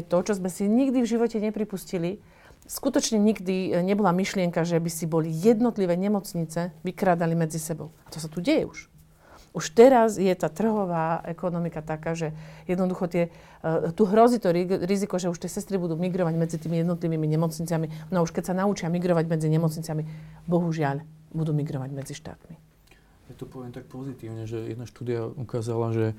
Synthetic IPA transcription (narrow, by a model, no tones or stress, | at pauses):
t̪ɔt͡ʃɔzmɛsiɲiɡd̪ivʒiʋɔcɛɲɛpɾipuscili | skut̪ɔt͡ʃɲɛɲiɡd̪iɲɛbɔlamiʃlɪɛŋkaʒɛbisibɔlijɛd̪nɔt̪liʋɛːɲɛmɔt͡sɲit͡sɛʋikɾaːd̪alimɛd͡zisɛbɔ̰ʊat̪ɔsat̪uɟɛjɛ̰uʃ | uʃt̪ɛɾazjɛt̪aːt̪r̩ɦɔʋaːʔɛkɔnɔmikat̪akaːʒɛjɛd̪nɔd̪uxɔt̪ɪɛ | t̪uɦɾɔzit̪ɔɾiɾizikɔʒɛuʃt̪ɪɛsɛst̪ɾibud̪uːmiɡɾɔʋaɟmɛd͡zit̪iːmijɛd̪nɔt̪liʋiːmiɲɛmɔt͡sɲit͡sɪaminauʃkɛcsanaut͡ʃɪamiɡɾɔʋaɟmɛd͡ziɲɛmɔt͡sɲit͡sɪamibɔɦuʒɪaʎbud̪uːmiɡɾɔʋaɟmɛd͡ziʃt̪a̰ːt̪mi | jat̪ɔpɔʋjɛmt̪ak̚pɔzit̪iːʊɲɛʒɛjɛ̰d̪naʃt̪uːd̪iaukaːzalaʒɛ